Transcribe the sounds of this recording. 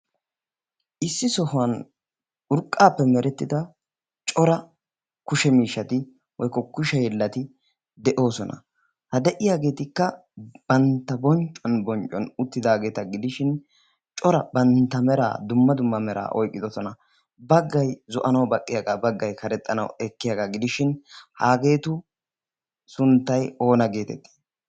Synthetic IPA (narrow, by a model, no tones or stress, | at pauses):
ʔɪsːɪsɔhɐn | ʊɾkʼːaːpːɛmɛɾɛt̪ːɪd̪ɐ | t͡ʃʼɔɾɐ | kʊʃɛmiːʃːɐt̪ɪ | wɔjkɔkːʊʃɛjɛlːɐt̪ɪ | d̪ɛʔo̞ːsɔnɐ̰ | hɐd̪ɛʔɪjaːɡe̞ːt̪ɪkːɐ | b̥ɐnt̪ːɐbɔnt͡ʃʼːɔnbɔnt͡ʃʼːɔnʊt̪ːɪd̪aːɡe̞ːt̪ɐɡɪd̪ɪʃɪn | t͡ʃʼɔɾɐbɐnt̪ːɐmɛɾa̰ːd̪ʊmːɐd̪ʊmːɐmɛɾa̰ːʔɔjkʼːɪd̪ɔsɔnɐ | bɐɡːɐjzɔʔɐnɐwbɐkʼːɪjaɡaːbɐɡːɐjkɐɾɛt̪ʼːɐnɐ̰wɛkːɪjaɡaɡɪd̪ɪʃɪnhaːɡe̞ːt̪ʊ | sʊnt̪ːɐjo̞ːnɐɡe̞ːt̪ɛ̰t̪ːi̥ː